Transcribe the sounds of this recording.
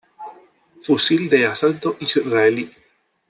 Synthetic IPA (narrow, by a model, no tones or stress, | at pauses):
fusild̪easant̪oʔisɾaeli